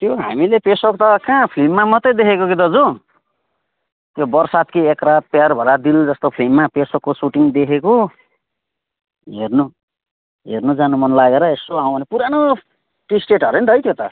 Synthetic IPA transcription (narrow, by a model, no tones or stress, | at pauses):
t̪joɦa̰milepesokt̪ʌkãpʰlimːamʌt̪ʌjd̪ekʰekokid̪ʌd͡zo | t̪jobʌrsat̪kiekɾapjarbʱʌɾad̪ild͡zʌst̪opʰlimːapesokːosuʈiŋd̪ekʰeko | ɦernu | ɦḛrnod͡zanumʌnlaɡeɾʌesoaw̃bʱʌnepuɾano | ʈisʈeʈʌɾenid̪ʱʌjt̪ʰjot̪ʌ